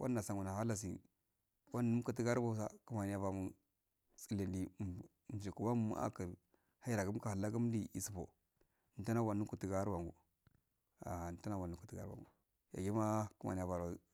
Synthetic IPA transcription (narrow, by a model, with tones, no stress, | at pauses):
wʔa̰˦nː˦a˨sa˨ŋu˨na˨ha˦la˦s̬ḭ˨ | wa˦n˦u˦m˦ku˨ti˦ɡa˦ɾba˦sa˦ku˦ma˨ni˦ja˨va˨mu˨ | t͡si˦˨le˨ndi˨n˨d͡ʒi˨ku˨wa˦m˦m̰˦a̰˦ki˨ɾ | ha˦i˦ɾa˨ku˦m˦ka˨ha˨lːa˦ku˦m˦di˨i˨si˨bo̰˨ | n˨ta˦na˦wa˨nu˦ku˨ti˦ɡa˦ɾwa˨ŋɡṵ˨ | a̰˨ta˦na˦wa˨nu˨˦ku̥˨ti˦ɡa̰˦ɾwa̰˨ŋɡṵ˨ | ja̰˨ɡi˦ma˦ku˦ma̰˨ni˨ja˨va˨ɾa˨